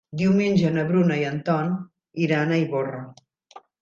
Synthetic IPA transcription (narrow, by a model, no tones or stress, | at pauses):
d̪iwmenʲd͡ʒənəβɾunəiənt̪ɔn | iɾanəiβorə